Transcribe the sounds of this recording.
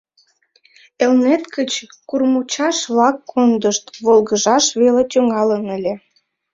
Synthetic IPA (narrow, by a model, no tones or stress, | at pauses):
elnet̪kət͡ɕkurmut͡ɕɑʃβlɑkːond̪əʃt̪βolɣəʒɑʃβelet̪ʲøŋɑlənəlʲe